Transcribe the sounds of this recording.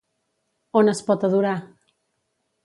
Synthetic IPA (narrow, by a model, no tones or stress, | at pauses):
onəspɔt̪aðuɾa